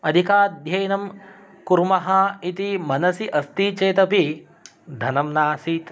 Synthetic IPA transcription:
ɐd̪ʱikaːd̪ʱjɐjnɐm | kuɾmɐɦɐit̪imɐnɐsiʔɐst̪it͡ʃeːt̪ɐpi | d̪ʱɐnɐmnaːsiːt̪

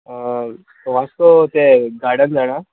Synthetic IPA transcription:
t̪oʋast̪ot̪eɡaɽənd͡zaɽ̃a

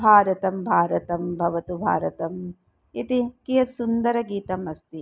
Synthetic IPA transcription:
bʱaːɾɐt̪ɐmbʱaːɾɐt̪ɐmbʱɐʋɐt̪ubʱa̰ːɾɐt̪ɐm | it̪ikijɐsund̪ɐɾɐɡiːt̪ɐmɐst̪i

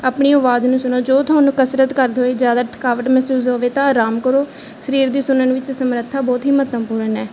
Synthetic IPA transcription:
aːpɳiːoʋaːd̪nũːsʊnoːd͡ʒoːt̪ʰʊaːnũːkəsɾət̪kəɾd̪oːeːd͡ʒjaːd̪aːt̪ʰə̥kaːʋəʈmɛːsuːsɦoːʋeːt̪ãːɾaːmkəɾoː | səɾiːɾd̪iːsʊnənʋɪt͡ʃsəmɾət̪ʰːaːbɔːt̪ɦiːmət̪əmpuːɾənɛː

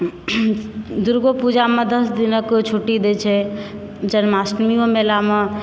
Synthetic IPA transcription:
d̪uɾɡopud͡ʒamẽd̪əsd̪inəkt͡ʃʰoʈid̪et͡ʃʰɛ | d͡ʒənmasʈmiõmelame

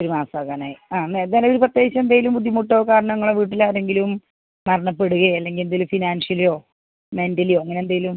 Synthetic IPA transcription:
oɾumaːsaːkːaːnaːjiaːnːeɐleoɾuprɐt̪ːjeːɣit͡ɕːɐmend̪aːjilumbud̪ʱːjimuʈːoːkaːɾɐɳɐmŋːɐɭeʋiːʈ̬ːilaːɾe̞ŋɡilum | mɐɾɐɳɐpːe̞ɽuɣɐɐlːe̞ŋɡilend̪ajlufinaːnʂjɐlijo̞ː | me̞ndɐlijo̞ːiŋːɐnend̪aːjlum

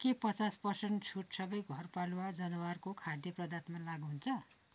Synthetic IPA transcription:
kepʌt͡saspʌrseɳʈt͡sʰuʈsʌbʌjɡʱʌrpaluwad͡zʌnʌwarkokʰad̪jʌprʌd̪at̪malaɡɦunt͡sʰʌ

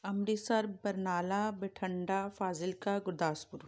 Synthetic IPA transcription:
ɐmɾisɐɾbɐɾnaːlaːbeʈʰɐ̃ɳɖafaːzɪlkaɡʊɾd̪aːspʊɾ

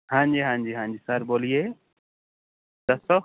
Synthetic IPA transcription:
hãnd͡ʒiɦãnd͡ʒiɦãnd͡ʒisaɾbɔlije | t̪ɐsɔ

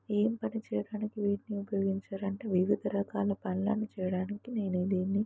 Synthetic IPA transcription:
eːmpɐnit͡ʃɛːjɐɽaːnikiʋiːʈniupɐjo̞ːɡiɲt͡ʃaːɾɐɳʈeːʋiʋid̪ʱɐɾɐkaːlɐpɐnla̰ːnːit͡ʃɛːjɐɽaːnikineːned̪iːnːi

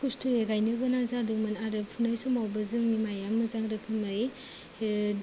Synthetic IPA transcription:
kustʰɯeɡajnɯɡɯnazadukmanaɾɯp̚pʰunajsumawbɐzɯŋnimajamːɯzaŋɾɯkʰimai

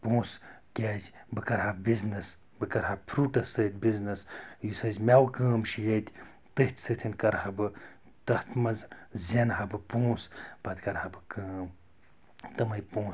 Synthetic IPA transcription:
põːskʲaːd͡ʒʲbɨkɐɾɦabiznɐs | bɨkɐɾɦapʰɾuːʈɐsɨːt̪̚ʲbiznɐsjusɐzʲmʲawkɐːmʃʰijɐt̪ʲʰ | t̪ɨht̪ʲʰsɨt̪ʰinkɐɾhɐbɨ | t̪ɐht̪ʰmɐzzʲɐnɦɐbɨpõːsb̥ɐd̪kɐɾhabɨkəːm | t̪ɐmɐjpõː

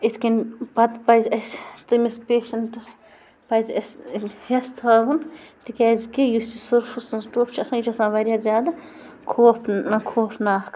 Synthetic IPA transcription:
it̪ʰkinbɐt̪pɐjzʲɐsʲt̪ɨmɐspeːʃɐnʈɐs | pɐzʲɐsʲhest̪ʰɐːɡunt̪ikʲɛːzkejust͡ʃisuɾfʰusɨnzʈuːpt͡ʃʰiɐsãːjut͡ʃʰɐsãːʋɐɾʲjaːzʲaːd̪ɐ | kʰoːpʰɐkʰoːpʰnaːhk

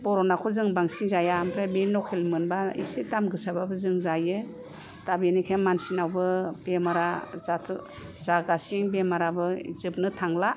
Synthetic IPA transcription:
b̥ɔɾɔnakʰɔzɯŋbaŋsiŋzajampʰɾebinɔkʰelmɯnbaḭsitamɡɯsababɯzɯŋzaje | tabinikʰenmansinawbɯbemaɾazatʰ | z̥aɡasiŋbemaɾabɯzɯp̚nɯtʰaŋla

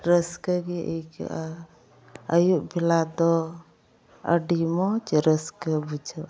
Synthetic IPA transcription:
ɾəskəɡiək | əjuʔbʱilad̪ɔ | ə̰ɖimɔt͡ʃɾəskəbud͡ʒʱə

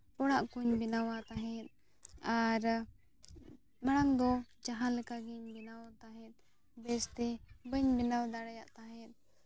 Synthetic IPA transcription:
pɔɽaʔkuɲbinawat̪aɦɛ̃t̪̚ | aɾ | maɽ̃aŋd̪ɔd͡ʒaɦãlɛkaɡiɲbinawat̪aɦɛ̃t̪̚ˀ | bɛst̪ɛbəɲbinawd̪aɽajaʔt̪aɦɛ̃t̪̚

